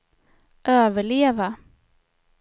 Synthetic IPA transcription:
ʔøːvəɭeːva

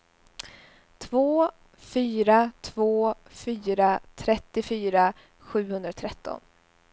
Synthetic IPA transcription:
t̪ʰvoː | fyːɾat̪ʰvoːfyːɾat̪ʰɾɛt̪ːɪfyːɾa | ɧʉ̟ːhɵnd̪ɾat̪ʰɾɛt̪ːɔ̰n

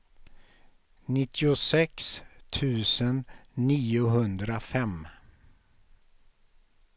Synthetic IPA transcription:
nɪt̪ʰːɪʊsɛkst̪ʰʉ̟ːsənːiːʊɦɵnd̪ɾafɛm

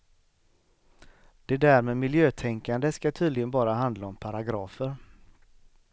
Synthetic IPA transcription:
d̪̥ɛd̪æːɾmeːmɪljøːt̪ʰɛŋkand̪əskat̪ʰyːd̪lɪɡənbɑːɾaɦand̪laɔmpʰaɾaɡɾɑːfəɾ

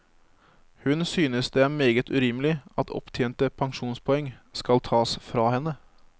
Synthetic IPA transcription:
hʉnsyːnəsd̪eːmeːɡət̪ʉɾɪmlɪɑt̪ʰɔ̰pt̪ʰjeːnt̪əpʰɑŋʂuːnspʰɔɛŋskɑlt̪ʰɑːsfɾɑːhɛnə

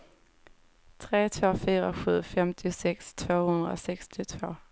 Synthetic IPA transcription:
tʰʁḛːt̪ʰv̥o̰ːfyːʁɐɧʉ̟ːfɛmt̪ʰɪsɛkstʰv̥o̰ːhʉnd̪ʁɐɔsɛkst̪ʰɪt̪ʰvo̝ː

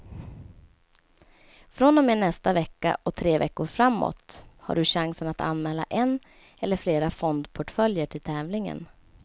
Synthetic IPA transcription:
fɾɔnd̪ɔmeːɳɛst̪avɛkːa̰ʔɔt̪ʰɾeːvɛkːʊɾfɾamːo̰t̪ha̰ɖɵɕaŋsənat̪ʰa̰nmɛːlːa̰ʔɛn | ɛlːəɾfleːɾafɔnd̪pʰɔʈfœljəʈʰɪlt̪ʰɛːvlɪŋə̰n

